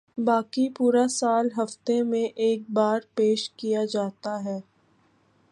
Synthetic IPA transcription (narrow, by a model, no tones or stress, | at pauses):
baːkipuːɾasaːlɦɐft̪emẽʔeːk̚baːɾpeːʃkijad͡ʒaːt̪aɦɛː